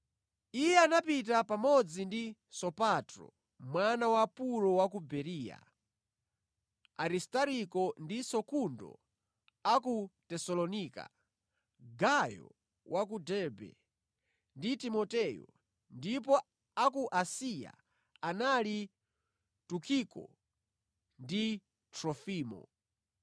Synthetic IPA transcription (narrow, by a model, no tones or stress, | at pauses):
ijɛanapit̬apamɔd͡zindisɔpatɾɔ̰ | mwanawapuɾɔwakubɛɾiːja̰ | aɾistaɾikɔndisɔkundɔ̰ | akutɛsɔlɔnika̰ | ɡajɔ̰ | wʔak̬udɛbɛ̰ | nditimɔtɛjɔ̰ | ndip̬ɔ | akuʔasia̰ | anali | tukʰikɔ̰ | ndi | tɾɔfiːmɔ̰